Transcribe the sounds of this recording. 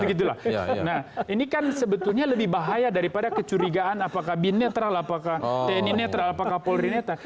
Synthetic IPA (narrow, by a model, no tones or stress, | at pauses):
əɡit̪̬ula̰hnahinikansəbət̪ʊlɲaləbɪhbaɦajadaɾipadakət͡ʃuɾiɡaʔanapakahbinːet̪ɾalapakaht̪eninet̪ɾalapakahpolɾinet̪a